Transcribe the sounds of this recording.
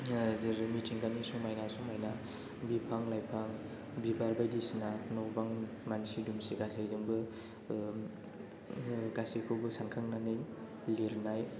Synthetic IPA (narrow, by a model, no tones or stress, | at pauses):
zɯɾmitʰiŋɡanisuŋmajnasuŋmajna | bipʰaŋlajpʰaŋ | bibaɾbajdisnanɔwbaŋmansidumsiɡasezɯŋbɯ | ɡasekʰɯwbɯsankʰɯŋnanɯj | liɾnaj